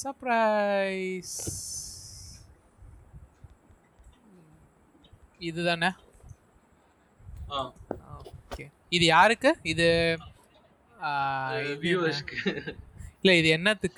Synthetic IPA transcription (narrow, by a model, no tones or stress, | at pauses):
sɐpɾaɪs | ɪðɯðãːnɐ | aoːkːeː | ɪðɯjaːɾɯkːɯɪðɯ | ɪjoːskɯ | ɪlːɐɪðɯɛnːɐt̪ːɯkː